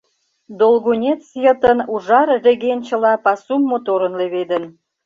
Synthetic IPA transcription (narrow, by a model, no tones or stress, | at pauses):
d̪olɣunʲet̪t͡sjət̪ənuʒɑrreɣenʲt͡ɕə̆lɑpɑsumːot̪oɾənleβed̪ə̆n